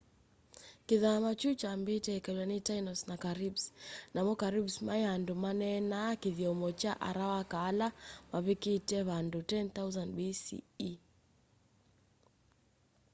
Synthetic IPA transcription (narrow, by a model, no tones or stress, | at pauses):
kiðamat͡ʃut͡ʃambitɛikalanitainɔsnakaɾibsnamɔkaɾibsmajandumanɛnakiðiɔmɔt͡ʃaʔaɾawakaːlamaβikitɛβandutɛnt̪auzandbisḭi